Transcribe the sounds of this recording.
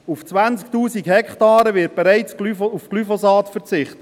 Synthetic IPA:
uft͡sʋænt͡sktuːsikhɛkχtɑːɾəvɪt̚b̥ɛɾæɪt͡sklyfufklyfɔsɑːtfəɾt͡sɪχtə

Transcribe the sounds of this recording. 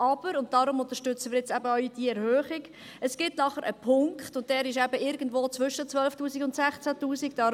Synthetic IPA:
ʔɑb̥əɾʊnt̚d̥ɑɾʊmʊnt̪əʃtʏt͡səmɪːɾjɛt͡sæbəœʏd̥iəɛɾhøːχiɡ | əsɡ̥ɪtnɑχəɾʔə̰pʰʊŋkχtʊnt̚d̥ɛːɾɪʃæbəɪɾɡən̩dvoːt͡sʋʏʃət͡sʋœlftuːsikʊntsæχt͡sætuːsikd̥ɑ

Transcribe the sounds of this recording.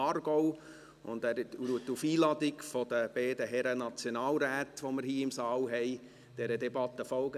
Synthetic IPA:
ɑːrɡ̥ɔʊ | ʊ̰nd̪æːɾluətːufiːlɑdɪkfod̥əb̥ɛːdəɦɛɾənɑt͡sjonɑːlɾæːt̪ʋoməɾhiːɪmsɑːlɦɛɪ | d̥ɛɾədɛbɑt̪ːəfɔlɡə

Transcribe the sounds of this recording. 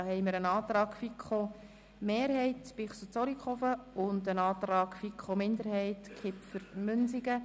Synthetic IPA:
hɛɪməɾənɑːt̪ɾɑːkfikʰχo | meːɾhɛɪtpɪχsut͡soɾikχofəʊndənɑːt̪ɾɑːɡ̥fikχomɪndəɾhɛɪtkʰɪpfəɾmʏnsiɡə

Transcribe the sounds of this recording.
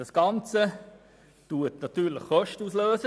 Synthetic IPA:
ɑsɡ̥ɑnt͡sə | tuətnɑtyːɾləχχɔʃtəusløːsə

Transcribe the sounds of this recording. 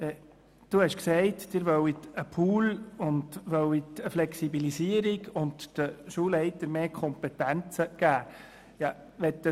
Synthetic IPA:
ɛ | d̥uhɛʃksɛɪtd̥ɪɾʋœwitəpʰuːlʊndʋœwitəflɛksibilisiəɾiɡʊntd̥əʃuːlɛɪtəɾmeːkʰɔmpɛtænt͡səɡ̥æː | jɑ | ʋɛt̚də

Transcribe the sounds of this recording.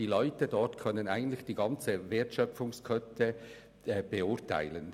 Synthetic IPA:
d̥iːlɔʏtədɔtkʰœnənaɪɡən̩tlɪçd̥iːɡɑnt͡səveːɐtʃœp͡fʊŋskʰœtʰə | b̥əʊtʰa̰ɪlən

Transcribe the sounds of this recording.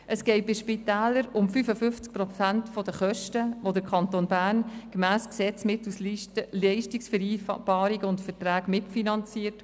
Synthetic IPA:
ʔəsɡ̥ɛɪt̚b̥ɪʃpitæːləɾʊmfyfəfʏft͡sk̚pɾɔt͡sæntfodəχœʃtəʋodəkʰɑntoːnbæːnɡ̥emæːsksɛt͡smɪtuslɛɪʃtiksfəɾiːb̥ɑːɾiɡəʊntfəɾtɾæːkmɪtfinɑnt͡siːəɾt

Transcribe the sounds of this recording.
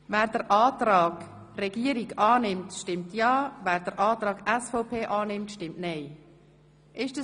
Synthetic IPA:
væːɾdəɾʔɑːtɾɑːɡ̥ | rɛɡiəɾiɡɑːnɪmtʃtɪmtjɑːvæːɾdəɾʔɑːt̪ɾɑːɡɛsfɔʊpʰeːʔɑːnɪmtʃtɪmtnɛɪ | ʔɪʃdə

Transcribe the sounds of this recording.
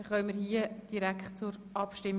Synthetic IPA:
χœːmiːɾhiːəd̥iɾæktt͡sʊɾʔɑpʃtɪm

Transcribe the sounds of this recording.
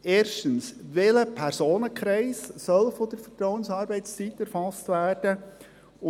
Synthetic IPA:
eːɾʃtənsʋeləpʰɛɾsoːnəkχɾɛɪssœlfɔd̥̪əɾfərtɾɔwənsɑːɾbɛɪst͡sitːæɾfɑstvæːrd̥ə | ʊ

